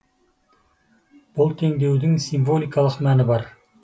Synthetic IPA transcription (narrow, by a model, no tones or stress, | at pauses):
b̥ʊlˠt̪ʰe̞ŋd̪e̞wd̪ɪŋsiɱvo̞lʲˠijkɑlˠəqmænɪbɑɾ